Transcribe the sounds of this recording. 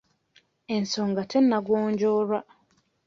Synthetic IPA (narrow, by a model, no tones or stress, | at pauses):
ensoŋɡatenːaɡoːɲɟoːɾwa